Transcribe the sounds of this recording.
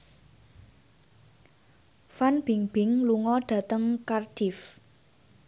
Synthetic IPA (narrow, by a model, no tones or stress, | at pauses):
fanb̥iŋb̥ɪŋluŋɔɖ̥a̤t̪əŋkarɖ̥ɪf